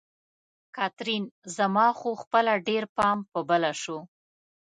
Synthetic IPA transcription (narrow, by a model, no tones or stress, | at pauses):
kɑt̪ɾinzamɑxoxpəlaɖeɾpɑmpəbəlaʃo